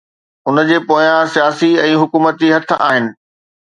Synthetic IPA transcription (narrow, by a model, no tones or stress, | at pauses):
ʊnə̆d͡ʑeːpoːjãsijaːsiɛ̃ːɦʊkuːmət̪d͡ʑiɦɐt̪̆ʰʔa̰ːɦɪnɪ̆